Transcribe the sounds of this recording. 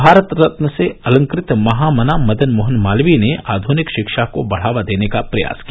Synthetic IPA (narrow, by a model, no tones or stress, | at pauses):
bʱaːɾət̪ɾɐt̪nəseɐlə̃ŋkɾɪt̪mɐɦaːmɐnamɐd̪ənmʊɦənmaːlʋinea̰ːd̪ʱunɪkʃɪkʃakobɐɽ̤aːʋad̪eːnekapɾɐja̰ːskija